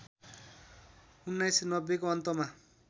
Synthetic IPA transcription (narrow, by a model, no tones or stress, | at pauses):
unːajsinʌbːekoʌnt̪ʌma